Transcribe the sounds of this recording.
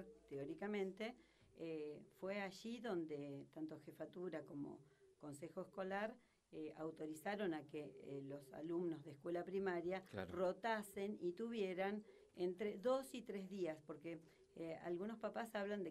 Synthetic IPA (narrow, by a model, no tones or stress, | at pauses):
t̪eoɾikamẽ̞nt̪e̞ | efweaʒiðo̞nd̪et̪ant̪o̞xe̞fat̪uɾako̞mo̞̰ | ko̞nsexo̞esko̞laɾ | eawt̪o̞ɾisaɾo̞nakelo̞sa̰lumno̞zðeskwe̞lapɾimaɾjaro̞t̪ase̞nit̪uβje̞ɾan | ent̪ɾeðo̞sit̪ɾezðiaspo̞ɾke | a̰lɣuno̞spapasaβland̪e